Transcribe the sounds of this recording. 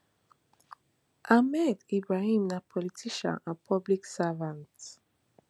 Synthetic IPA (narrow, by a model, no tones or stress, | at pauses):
ʔamɛdibɹahĩmnapʰɔlitʰiʃɔ̰̃nãpʰɔbliksavãnt